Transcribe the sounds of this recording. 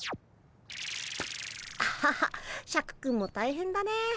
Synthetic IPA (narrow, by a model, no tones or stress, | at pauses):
a | ɕakɯ̟̥kɯ̃mːot̪aiɦẽnd̪ane